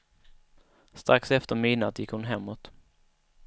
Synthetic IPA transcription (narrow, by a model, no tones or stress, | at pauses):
st̪ɾaksɛft̪əɾmiːnat̪jɪkhʊnɦɛmːot̪